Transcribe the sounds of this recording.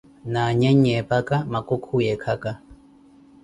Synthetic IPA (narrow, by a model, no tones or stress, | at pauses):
naɲaɲɛpakamakokʰujɛkʰaka